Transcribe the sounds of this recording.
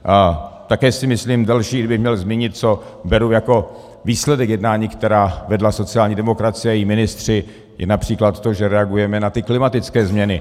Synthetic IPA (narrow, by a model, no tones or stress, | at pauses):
ʔat̪akɛːsɪmɪsliːmdɛlʃiːɡdɪbɪxmɲɛlzmɪɲɪt̪̚t͡sobɛɾujako̞ | viːslɛdɛkjɛdnaːɲiːkt̪ɛɾaːvɛdlaso̞t͡sɪaːlɲiːdɛmo̞kɾat͡sɪjɛajimɪnɪst̪r̝̥ɪ | jɛ̰napr̝̥iːklat̪t̪o̞ʒɛɾɛaɡujɛmɛnat̪ɪklɪmat̪ɪt͡skɛːzmɲɛnɪ